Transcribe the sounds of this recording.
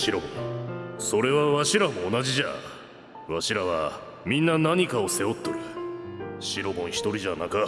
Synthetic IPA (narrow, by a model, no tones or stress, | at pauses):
ɕiɾo̞ɡõ̰so̞ɾe̞βaβaɕiɾamo̞ːnaʑiʑa̰ | βaɕiɾaβa | mʲĩnːanaɲ̟ikao̞se̞o̞t̪ːoɾɯ̟ | ɕiɾo̞ɡõ̞ɰ̃çi̥t̪o̞ɾʲiʑanaka